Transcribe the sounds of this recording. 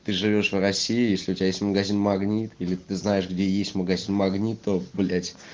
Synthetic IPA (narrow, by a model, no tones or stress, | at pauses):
t̪ɨʐɨvʲo̞ʂvrɐsʲːiːjesʲlʲɪʊtʲɪbʲajesʲtʲməɡɐzʲinmɐɡnʲit̪ilʲɪt̪ɨznajɪʂɡdʲejesʲtʲməɡɐzʲinmɐɡnʲit̪ʰːoblʲætʲ